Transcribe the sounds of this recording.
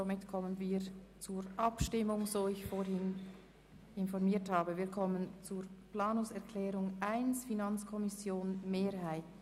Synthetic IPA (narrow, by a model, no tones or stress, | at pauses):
zomɪtkʰɔmənviːɾ | t͡suːɾʔɑpʃtɪmʊŋzoːɪçfoːɾhɪn | ɪnfɔʁmiːthaːbəviːkʰɔmənt͡suːɾplaːnʊŋsɛʁkʰlɛːɾʊŋʔaɪnsfinant͡skʰɔmɪsjoːnmeːɾhaɪt